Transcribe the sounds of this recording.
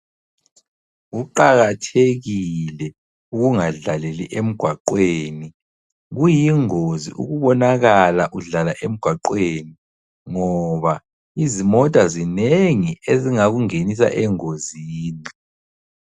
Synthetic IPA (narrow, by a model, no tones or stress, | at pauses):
ɣuǃaɣatʰeɣilɛ | uɣuŋaɮaleliʔem̩ɡ̥ʱwaǃweːni | ɣujiŋozḭʔṵɣuβɔnaɣalaʔuɮalaʔem̩ɡ̥ʱwaǃweːni | ŋɔβa | izimɔtʼazineŋieziŋaɣuŋenis̬a̰ʔɛŋoziːni